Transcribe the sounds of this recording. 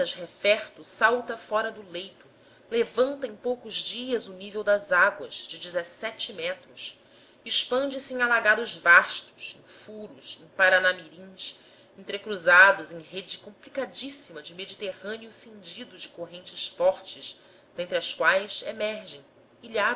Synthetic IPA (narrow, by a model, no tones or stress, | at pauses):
ɐʃhefɛχt̪ʊsawt̪ɐfɔɾɐd̪ʊlejt̪ʊ | levɐ̃nt̪ɐẽj̃powkʊzd͡ʒiɐzʊnivewd̪ɐzaɡwɐz̥d͡ʒɪd͡ʒɪzesɛt͡ʃɪmɛt̪ɾʊs | ɪʃpɐ̃nd͡ʒɪsɪẽalaɡad̪ʊzvaʃt̪ʊ̥ʃẽj̃fuɾʊsẽj̃paɾanamiɾĩs | ẽnt̪ɾekɾuzad̪ʊzẽj̃ɦed͡ʒɪkõmplikad͡ʒisimɐd͡ʒɪmed͡ʒit̪eʁɐ̃njʊsẽnd͡ʒid̪ʊd͡ʒɪkoɦẽnt͡ʃɪsfɔɾt͡ʃɪs | d̪ẽnt̪ɾɪɐskwajsemɛɾʒẽj̃ | iʎa